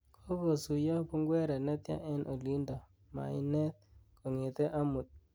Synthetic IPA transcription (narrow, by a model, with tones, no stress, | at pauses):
kʰo˦ko˨su˨ja˦pu˦ŋɡwɛ˦ɾa˨nɛ˦t̪ja̰˦ʔɛ˦nʔo˨li˦nda˨ | ma̰˨i˦nɛ˦t̪̚ko˨ŋe˨t̪ɛ˦ʔa˦mu˨t̪̚